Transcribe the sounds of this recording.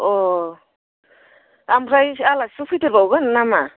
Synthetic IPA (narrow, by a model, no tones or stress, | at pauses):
ɔ | amɾajalasupʰiteɾbawɡannama